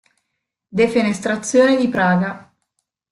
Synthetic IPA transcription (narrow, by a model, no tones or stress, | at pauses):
d̪efenest̪ɾat̪sːjoːned̪ipɾaːɡa